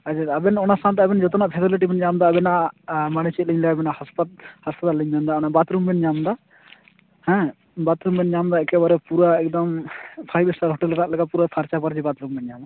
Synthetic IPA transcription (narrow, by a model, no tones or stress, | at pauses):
ad͡ʒɛəbɛnɔnasant̪ɛɐbɛnd͡ʒɔt̪ɔnaʔpʰɛt̪eliʈ̬ibɛnd͡ʒamd̪aːbɛnaʔmanit͡ʃʰit̪̚ləɲlɛɐbɛnahaspat̪̚hɐspət̪alːəɲbɛnd̪aɔnaʔbat̪ɾumbɛnd͡ʒamd̪a | hɛ̃ | bat̪ɾumbɛnd͡ʒamd̪aɛkɛbaɾɛpuɾaɛk̚d̪ɐmpʰajbɛsʈaɾɦɔʈɛlɛɾaʔlɛkɡapuɾapʰaɾt͡ʃapəɾd͡ʒibat̪ɾumbɛnd͡ʒama